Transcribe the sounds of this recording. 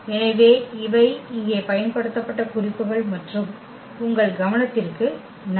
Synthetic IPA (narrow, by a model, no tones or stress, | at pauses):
ɛnɐɪʋeːɪʋɐɪɪŋɡeːpɐjɐnpɐɽɯt̪ːɐpːɐʈːɐkʊrɪpːɯɣɐɭmɐʈrɯm | ʊŋɡɐɭɡɐʋɐnɐt̪ːɪrkɯ | n